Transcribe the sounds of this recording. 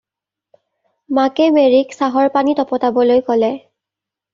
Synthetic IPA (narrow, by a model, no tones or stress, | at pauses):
makɛmeɹiksaɦɔɹpanitɔpɔtabɔlojkɔlɛ